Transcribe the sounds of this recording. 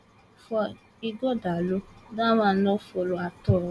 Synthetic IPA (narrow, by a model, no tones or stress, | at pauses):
fɔ | iɡɔdalodamãnɔfoloatɔ